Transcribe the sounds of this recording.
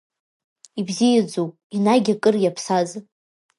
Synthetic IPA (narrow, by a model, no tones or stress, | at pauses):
ibzijad͡zopʼinaɡʲakʼɨrjapʰsaz